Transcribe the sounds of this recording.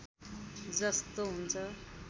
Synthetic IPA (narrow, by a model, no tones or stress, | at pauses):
d͡zʌst̪oɦunt͡sʰʌ